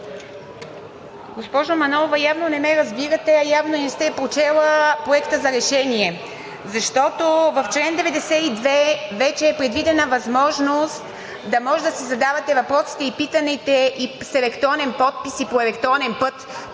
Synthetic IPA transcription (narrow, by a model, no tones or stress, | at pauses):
ɡospɔʒomɐnɔovɐjavnonɛmɛɾɐzbiɾət̪ɛɐjavnonɛst̪ɛpɾot͡ʃɛlˠəpɾoɛkt̪əzɐɾɛʃɛniɛ | zɐʃt̪ɔt̪ovɐft͡ʃlɛnd̪ɛvɛd̪ɛsɛid̪vɛvɛt͡ʃɛːpɾɛd̪vid̪ɛnəvɐzmɔʒnost̪ | d̪ɐmɔʒɛd̪ɐsɛzɐd̪avɐt̪ɛvɐpɾɔsi̥t̪ɛipit̪ənit̪ɛʔisɛlɛkt̪ɔvnɛnpɔt̪̚pisipoɛlɛkt̪ɔvɐnɛnpɤt̪